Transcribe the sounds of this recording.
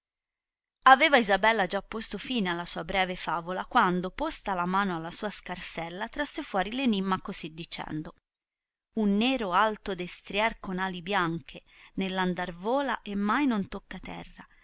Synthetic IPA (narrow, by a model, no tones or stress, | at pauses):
avɛːvaizabɛlːad͡ʒapːost̪ofiːnealːasuːabɾɛːvefaːvolakwand̪opost̪alamaːnoalːasuːaskarsɛlːat̪ɾasːefwɔːɾilenimːakozid̪ːit͡ʃɛ̰nd̪o | unːeːɾoalt̪od̪est̪ɾjarkonaːlibjaŋk̟ʰe | nelːand̪arvoːlaʔemːajnont̪okːat̪ɛ̰rːa